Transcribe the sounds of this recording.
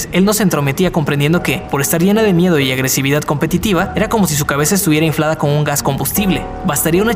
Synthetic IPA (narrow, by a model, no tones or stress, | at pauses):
se̞lno̞se̞ːnt̪ɾo̞me̞t̪iako̞mpɾend̪e̞nd̪o̞ke̞po̞ɾe̞st̪aɾʝe̞nað̞e̞mje̞ð̞o̞iaɣɾe̞siβ̞iðað̥̚ko̞mpe̞t̪it̪iβae̞ɾako̞mo̞s̬is̬ukaβe̞saest̪uβjeɾaiɱflað̞ako̞nuŋɡasko̞mbust̪iβle̞ | βast̪aɾiauna